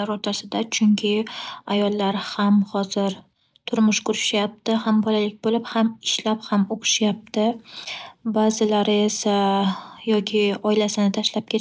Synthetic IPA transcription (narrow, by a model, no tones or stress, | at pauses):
aɾoɾt̪ʰasɪd̪at͡ʃʰʊŋkʲʰɪajɒlˠːaɾhamhɒzɪɾ | t̪ʰʊɾmʊʃkʰʊɾɪʃjap̚t̪ɪhambɒlalɪk̚ʲbolɪphamɪʃlaphamoqʰɨ̥ʃjap̚t̪ʰɪ | bazɪlaɾɪesajɒkʲʰɪɒɪlasɪnɪt̪ʰaʃlap̚kʲʰe